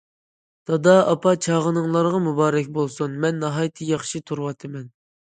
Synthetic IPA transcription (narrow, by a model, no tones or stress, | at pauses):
d̪̥ʰɑd̪ɑɑpʰɑt͡ʃʰɑːʁənɨŋlˠɑɾʁɑmubɑːɾɛkʲbolˠsunmɛnːɑɦɑjt̪ʰɨjɑχʃit̪ʰuɾwɑt̪ʰɨmɛn